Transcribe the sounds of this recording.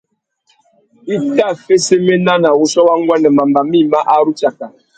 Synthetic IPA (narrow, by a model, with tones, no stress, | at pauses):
i˦ta˦˨fe˦se˦me˦na˦na˨wu˨sɔ˦wa˦ŋ˦ɡʷɛ˦nɛ˨ma˨m̩˨ba˨mi˦˨ma˦ʔa˦ɾu˦t͡ʃa˨ka˨